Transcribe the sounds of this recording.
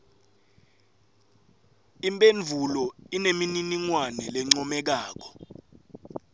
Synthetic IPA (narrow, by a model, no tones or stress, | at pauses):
impʼenvʱulɔinemininiŋwanɛlɛŋ͡ǀɔmɛk̬aːk̬ɔ̥